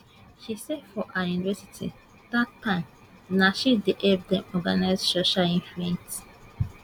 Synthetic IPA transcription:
ʃisɛdfɔʔãjunivɛsi̥tʰḭ | d̥atãɪ̃m | naʃideʔɛbdɛ̃mɔɡanaɪzsoʃalĩnfluɛ̃nt

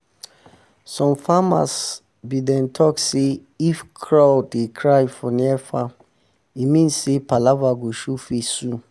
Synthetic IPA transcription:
sɔ̃mfama̰s | bidɛ̃ntʰɔkse | ifkʰɹawdekʰɹajfɔniɛfam | imĩnssepalavaɡoʃufesũ

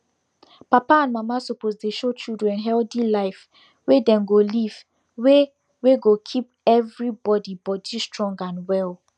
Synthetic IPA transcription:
papaãnmamasopozdeʃot͡ʃildɹɛ̃nɦɛldilaɪf | wedɛ̃mɡoliv̥ | we | weɡokʰip̚ɛvɹibɔdibɔdistɹɔ̃ŋɡãnwɛl

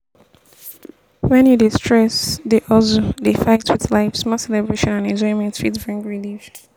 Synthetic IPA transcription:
wɛ̃njudistʰɹ̥ɛsdeʔɔzodefaɪtʰwɪðlaɪfsmɔsɛlɛbɹeʃɔ̃nãnɛ̃nd͡ʒɔɪmɛ̃ntfitbɹĩŋɡɹiliv

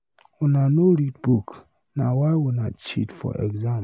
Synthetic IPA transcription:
ʊnãnõɾit̚buk | nã̰wawʊnãt͡ʃʰḭtfɔ̰ʔɛ̰ɡzã

